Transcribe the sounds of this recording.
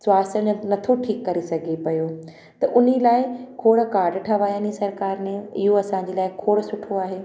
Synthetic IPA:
sʊaːsənɐt̪ʰoʈʰiːkːɐɾesɐɡʱipɐjo | t̪ɐʔʊnilaːɪkʰoːɽkaːɾɖʈʰɐʋaːjaːnisɐɾkaːɾnẽɪ̰ɦoɐsãːɲ̆d͡ʑeːlaːɪkʰoːɽsʊʈʰoaːɦeː

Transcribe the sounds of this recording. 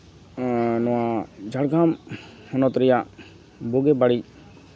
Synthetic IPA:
nɔwad͡ʒʱaɽɡʱamhɔnɔt̪ɾɛjaʔ | buɡɛbaɽi

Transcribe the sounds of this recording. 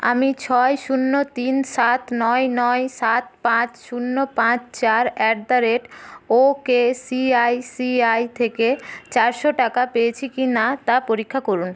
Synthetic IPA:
a̰mit͡ɕʰɔeʃunːot̪inʃat̪nɔjnɔjʃat̪̚pãt͡ɕʃunːopãt͡ɕt͡ɕaɾɛk̚d̪aɾeʈokesiajsiajt̪ʰeket͡ɕaɾʃoʈakapeet͡ɕʰikinat̪apoɾikʰːakoɾun

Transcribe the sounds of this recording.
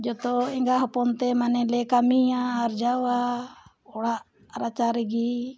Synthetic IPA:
d͡ʒɔt̪ɔɛŋɡaɦɔpɔnt̪ɛmanɛlɛkamiaːɾd͡ʒawa | ɔɽaʔ | ɾat͡ʃaɾɛɡi

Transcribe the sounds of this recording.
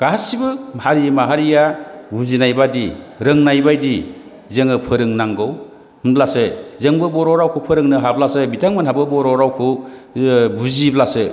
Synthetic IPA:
ɡ̥aɦasibɯhaɾimaɦaɾijabuzinajbadiɾɯŋnajbajdi | zeŋɯpʰɯɾɯŋnaŋɡɯw | hɯnblasɯzeŋbɯbɔɾɔɾawkʰɯpʰɯɾɯŋnɯɦab̚lasɯbitʰaŋmɯnɦabɯbɔɾɔɾawkʰɯ | buziblasɯ

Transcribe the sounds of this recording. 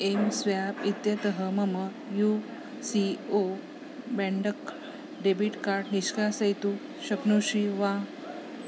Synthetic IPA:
emsʋjabit̪jət̪əɦəməmə | ju | sio | bɛ̃ɳɖək | ɖebiʈkaɾɖniɕkasəjt̪u | ɕəknoɕiʋa

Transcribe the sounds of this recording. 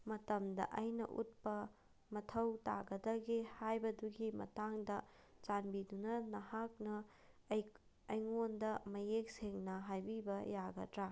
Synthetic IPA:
mɐtɐmdɐ̰ʔɐjnɐ̰ʔut̚pɐ | mɐtʰɐwta̰ɡɐdɐɡihajbɐduɡimɐ̰taŋdɐ | t͡ʃanbidunɐnɐhak̚nɐ | ɐjŋondɐmɐjek̚seŋnɐɦajbibɐjaɡɐ̰tɾa

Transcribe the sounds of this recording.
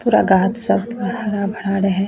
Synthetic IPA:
puːɾa̰ɡaːt̪sɐbpɐɽaɾabʱɐɽaɾɐɦɛ̃

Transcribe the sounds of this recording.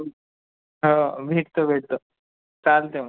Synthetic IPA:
ɦobʱeʈt̪obʱeʈ̚t̪o | t͡saːlt̪em

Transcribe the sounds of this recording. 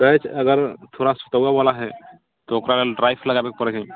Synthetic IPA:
ɾəɦɛt͡ʃʰəɡəɾt̪ʰoɾasʊ̥t̪əabalaɦɛ | t̪ɔokɾaleɖɾajpʰləɡabekpəɾɛd͡ʒaĩ

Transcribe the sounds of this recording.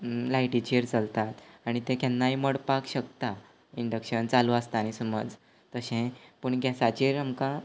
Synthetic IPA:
laiʈit͡ɕiɾt͡səlt̪at̪aɽ̃it̪ẽkɛnːaiməɽpakɕəkt̪a | iɳɖəkɕənt͡saluəst̪aːñisəmə̰d͡z | t̪əɕẽpəɳɡjasat͡ɕiɾamka

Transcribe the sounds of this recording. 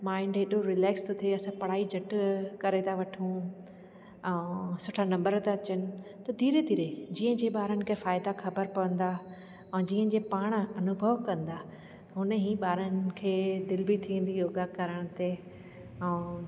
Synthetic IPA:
mãːɪ̃ɳɖɦeɗoɾɪlɛːkst̪ot̪ʰeɐsãpɐɽ̤aːid͡ʑʱɐʈkɐɾet̪ʰaʋɐʈʰũ | ɛ̃ːsʊʈʰanɐ̃mbəɾt̪aɐt͡ɕənɪ̆t̪ɐd̪ʱiːɾed̪ʱiːɾed͡ʑiːə̃d͡ʑeːɓaːɾənɪ̆kʰeːfaːɪd̪axɐbəɾpɐʋə̃nd̪a | ɛ̃ːd͡ʑiːə̃d͡ʑeːpaːɽ̃̆ɐnʊbʱəʋkɐ̃nd̪a | ɦʊnəɦiːɓaːɾənɪ̆kʰeːd̪ɪlbɪt̪ʰĩn̆d̪ioːɡakɐɾəɽ̃ət̪e | ɛ̃ː

